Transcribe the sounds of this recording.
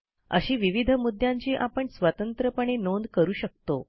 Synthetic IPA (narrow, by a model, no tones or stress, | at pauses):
ə̰ɕiːʋiʋid̪ʱəmud̪ʱːjãɲt͡ɕiːʔapəɳsʋat̪ənt̪ɾəpəɳ̃enond̪kəɾuːɕək̚t̪o̰